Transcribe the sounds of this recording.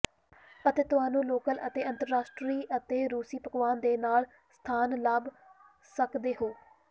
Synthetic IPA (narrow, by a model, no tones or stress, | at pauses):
ət̪eːt̪ʊɦaːnũːloːkələ̰t̪eːə̃nt̪əɾːaːsʈɾiːʔət̪eːɾuːsiːpəkʋaːnd̪eːnaːl | st̪ʰaːnlaːb | səkd̪eːɦoː